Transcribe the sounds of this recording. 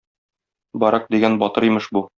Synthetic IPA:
bɒɾɑq̚d̪iɡænbɒt̪ɤɾĭjmɤʃbu

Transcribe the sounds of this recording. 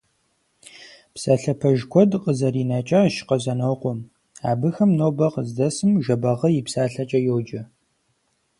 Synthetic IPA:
psaɬɐpʰɐʒkʷʰɔdqʼəzɐɾiːnɐt͡ʃʼɐʃɪ̥qɐzɐnɐwqʷɔm | aːbɨxɐmnowbɐqəzdɐsɨmʒɐbɐʁɐjipsaːɬɐt͡ʃʼɐjowd͡ʒɐ

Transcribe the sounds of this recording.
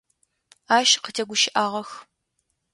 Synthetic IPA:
aːʃqətʰeɡʷʊʃɪʔaːʁɐx

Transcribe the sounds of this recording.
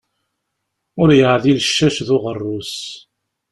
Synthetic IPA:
ʊɾjəʕðiləʃːæʃðʊʁərˤːʊs

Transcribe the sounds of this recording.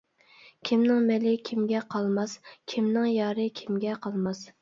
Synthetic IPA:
kʲʰimnɪŋmɛlɪkʲʰimɡʲɛqʰɑlˠmɑskʲʰimnɪŋjɑːɾɨkʲʰimɡʲɛqʰɑlˠmɑs

